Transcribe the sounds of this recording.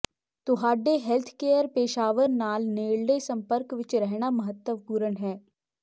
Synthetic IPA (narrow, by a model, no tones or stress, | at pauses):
t̪ʊɦaːɖːeɦelt̪ʰkeːjəɾpeːʃaːʋəɾnaːlneːɭɖesɐ̃mpəɾkʋɪt͡ʃɾɛɦɽ̃amɐɦət̪ːəʋkuːɾəɳɦɛː